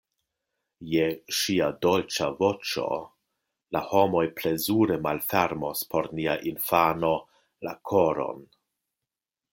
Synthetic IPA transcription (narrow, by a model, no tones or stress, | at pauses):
jeʃiado̞lt͡ʃavo̞t͡ʃo̞̰ | laho̞mo̞jple̞zuɾemalfe̞ɾmospo̞ɾniaʔinfano̞ | lakʰo̞ɾo̞̰n